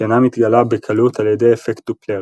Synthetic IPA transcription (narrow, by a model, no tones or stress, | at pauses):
anamit̪ɡalabekʰalut̪aljed̪ejefekt̪ukleʁ